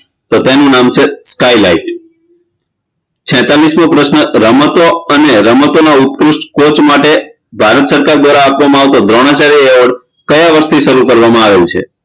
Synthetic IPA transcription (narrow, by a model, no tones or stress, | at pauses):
t̪ot̪enũnamt͡ʃʰeskajla̰iʈ | t͡ʃʰɛ̃t̪alismõpɾəʃnəɾəmət̪oəneɾəmət̪onaut̪̚pɾʊsʈkot͡ʃmaʈe | bʱaɾət̪səɾkaɾd̪ʋaɾaːpʋamãaʋt̪od̪ɾoɽ̃at͡ʃaɾieʋəɽ | kəjaʋəɾst̪iʃəɾukəɾʋamãaʋelũt͡ʃʰḛ